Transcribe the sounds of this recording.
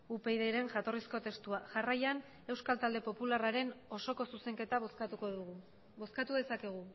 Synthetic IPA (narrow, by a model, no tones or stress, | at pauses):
upe̞jðejɾe̞ŋʝat̪o̞risko̞t̪e̞st̪uaʝarajan | e̞wskalt̪ald̪e̞po̞pularaɾe̞no̞so̞ko̞suse̞ŋke̞t̪aukoð | bo̞skat̪uðe̞sake̞ɣ̞u